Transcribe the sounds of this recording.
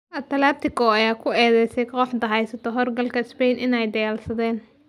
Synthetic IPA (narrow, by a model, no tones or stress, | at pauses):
ʔɐt̪ʰɐlaːp̚t̪ʰɪkʰɔɐjaːkʰʊɛːðɛjsɛjqɔːħd̪ɐɦɛjsɐt̪ʰɔɦɔrɡɐlkʰɐɪspɛjnʔɪnɛjd̪ɐjaːlsɐðɛːn